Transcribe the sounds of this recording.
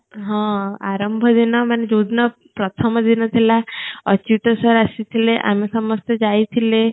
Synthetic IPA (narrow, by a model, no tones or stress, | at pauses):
ɦɔ̃a̰ɾɔmbʱɔd̪inɔmaned͡ʒod̪nɔ | pɾɔt̪ʰɔmɔd̪inɔt̪ʰilaʌt͡ʃiʈ̪ɔsɔɾasit̪ʰileʔa̰misɔmɔst̪ed͡ʒajt̪ʰile